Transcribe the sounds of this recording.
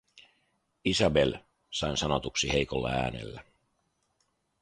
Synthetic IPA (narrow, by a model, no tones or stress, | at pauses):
isɑbe̞l | sɑinsɑno̞t̪uksihejkolːɑ̰æ̰ːnḛlːæ